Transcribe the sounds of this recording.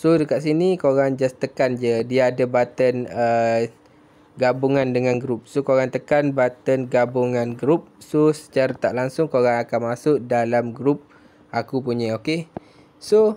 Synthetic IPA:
sodəkaʔs̬inikoɣaŋd͡ʒast̪əkand͡ʒədiaːdəbat̪ənə | ɡabuŋandəŋanɡɾup̚sokoɣaŋt̪əkanbat̪ənɡabuŋanɡɾup̚sosə̥t͡ʃaɾat̪aʔlaŋsʊŋkoɣaŋakanmasʊʔdalamɡɾup̚ | akupuɲəoke | so

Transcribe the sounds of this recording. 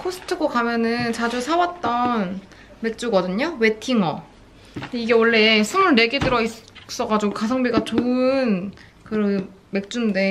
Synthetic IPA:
kʰosʰɯ̥tʰɯɡokamjʌnɯnt͡ɕad͡ʑusʰawat̚t͈ʌn | me̞k̚t͡ɕ͈uɡʌdɯɲowe̞tʰiŋʌ | eiɡe̞wʌɭːe̞sʰɯmuɭne̞ɡedɯɾʌis͈ʌɡad͡ʑiɡokas̬ʰʌŋbiɡat͡ɕoɯn | kɯɾʌ | me̞k̚t͡ɕ͈unnde̞

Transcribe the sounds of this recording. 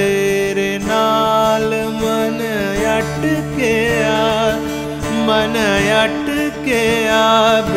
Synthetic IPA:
eɾenaːlɨmɐnɐ | jɐʈːɯkea | mɐnɐjaʈːɯkejab

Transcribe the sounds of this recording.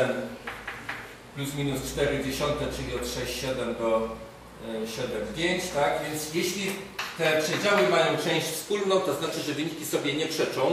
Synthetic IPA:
ɛn | plʲusmʲinust͡ʂt̪ɛɾɘd͡ʑeɕɔnt̪ɛt͡ʂɘlʲiɔt̪ʂɛɕt͡ɕɕɛd̪ɛmd̪ɔ | ɕɛd̪ɛmpʲjeɲt͡ɕt̪aɡvʲjɛnt̪sjeɕlʲit̪ɛpʂɛd͡ʑawɘmajɔ̃w̃t͡ʂɛ̃w̃ɕt͡ɕfspulnɔ̃w̃t̪ɔznat͡ʂɘʐɛvɘɲikʲisɔbʲjɛɲɛpʂɛt͡ʂɔ̃w̃

